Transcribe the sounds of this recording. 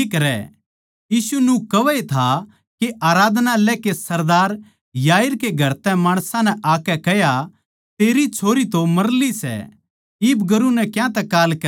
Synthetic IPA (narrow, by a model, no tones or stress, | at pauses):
ikɐɾɛ̰ | jiːsunũkɐʋet̪ʰa | keʔaːɾaːd̪nalɛːkesɐɾd̪aːɾ | jaːɪɾkeɡʱɐɾt̪ɛ̃maːɽ̃sãnɛʔaːkɛkɛja | t̪eːɾit͡ʃʰoːɾit̪omɐɾlisɛ̰ | ɪbɡɐɾunɛkjãt̪ɛkaːlkɐ